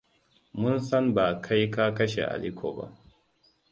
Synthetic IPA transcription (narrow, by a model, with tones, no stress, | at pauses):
mʊ˦nsɐ˦mbaː˨kʰa˦jka˦kɐ˦ʃḛ˨ʔa̰˨li˦kʷʰo̰ː˨ba̰˦ʔ